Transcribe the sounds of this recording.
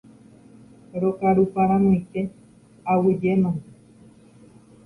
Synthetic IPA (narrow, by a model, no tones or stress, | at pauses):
ɾokaɾupaɾãnõike | awɨd͡ʒenõ